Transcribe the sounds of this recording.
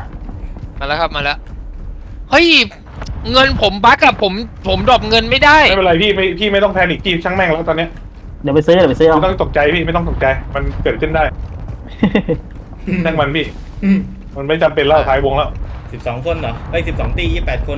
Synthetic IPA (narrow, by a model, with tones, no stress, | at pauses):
maː˧lɛ˦˥kʰa˦˥p̚maː˧lɛ˦˥ | hɤ˦˥˩j | ŋɤ˧npʰo˩˦mba˦˥kːa˨˩pʰːo˩˦mpʰo˩˦mdɔː˨˩p̚ŋɤ˧nma˥˩jdaː˥˩ja˥˩pɾa˧jpʰiː˥˩ma˥˩jpʰiː˥˩ma˥˩jt̪ɔ˥˩ŋt̪ʰɛː˧nʔiː˨˩kpʰiː˥˩t͡ɕʰa˦˥ŋmɛ˥˩ŋlɛː˦˥˩t̪ɔː˧nːi˦˥ɐ | di˨˩˦pa˧jsɯː˦˥dpa˧jsɯː˦˥a˧˩˨t̪ɔ˥˩ŋt̪o˨˩k̚t͡ɕa˧jpʰiː˥˩m˥˩jt̪ɔ˥˩ŋt̪o˨˩k̚t͡ɕa˧jma˧nkɤː˨˩t̪̚kʰɯ˥˩ndaː˥˩j | nʰa˥˩ŋma˧npʰiː˥˩ | ma˧nma˥˩˥t͡ɕa˧mpe˧nla˦˥˩wt̪ʰaː˩˦jwo˧ŋlɛː˦˥˩wsi˨˩p̚sɔː˩˦ŋkʰo˧˨nlɔ˨˦˧si˨˩p̚sɔː˩˦ŋt̪iː˧˩jiː˦˥˩pːɛː˨˩t̪̚kʰo˧n